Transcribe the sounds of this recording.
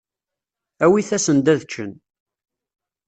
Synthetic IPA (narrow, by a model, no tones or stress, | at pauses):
æwiθæsənd̪æðt͡ʃːən